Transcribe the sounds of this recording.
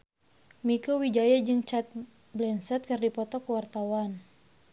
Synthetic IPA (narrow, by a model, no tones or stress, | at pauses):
mikowid͡ʒajad͡ʒɨŋt͡ʃat̪̚ | blɛnsɛt̪̚kɨrdipɔt̪ɔkəwart̪awan